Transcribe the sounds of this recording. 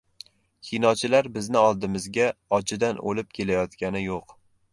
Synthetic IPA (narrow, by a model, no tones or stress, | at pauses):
kʰʲinɒt͡ʃʰɪlaɾbɪznɪɒlˠd̪ɪmɪzɡʲaɒt͡ʃʰɪd̪anʔo̰lɪp̚kʲʰe̞lajɒt̪kʲanɪjoq